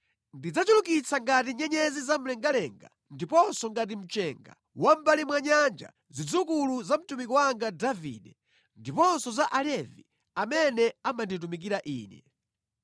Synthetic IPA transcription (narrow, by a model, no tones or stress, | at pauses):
ndid͡zat͡ʃulukit͡sʰaŋɡat̬iɲɛɲɛzizam̩lɛŋɡalɛŋɡa̰ | ndipɔnsɔŋɡat̬im̩t͡ʃɛŋɡa̰ | wam̩balimwaɲand͡ʒa̰ | zid͡zukuluzam̩tumikɔwaŋɡadavḭɗɛ | ndipɔnsɔzaʔalɛvi | amɛnɛamandit̬umik̬iɾaʔḭːnɛ̰